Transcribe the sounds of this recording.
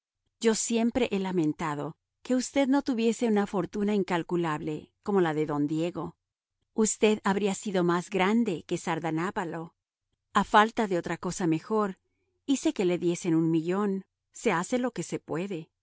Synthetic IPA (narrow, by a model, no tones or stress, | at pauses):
ɟ͡ʝo̞sje̞mpɾe̞ʔelamẽ̞nt̪aðo̞ | ke̞ust̪e̞ðno̞t̪uβje̞se̞unafo̞ɾt̪unaiŋkalkulaβle̞ko̞mo̞laðe̞ðo̞nd̪je̞ɣo̞ | ust̪e̞ðaβɾiasiðo̞mazɡɾand̪e̞ke̞saɾðanaβalo̞ | afalt̪aðe̞o̞t̪ɾako̞same̞xo̞ɾ | ise̞ke̞le̞ðje̞se̞nunmiʝo̞n | se̞ase̞lo̞ke̞se̞pwe̞ðe̞